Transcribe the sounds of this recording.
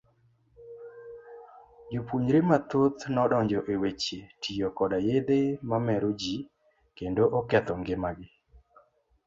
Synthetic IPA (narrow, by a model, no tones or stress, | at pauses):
d͡ʒopuɲɾemat̪ot̪nɔɗɔɲd͡ʒɔʔewet͡ʃetʰijokɔdajed̪emamɛɾod͡ʒi | kendoʔɔkɛt̪ɔŋɡɪmaɡɪ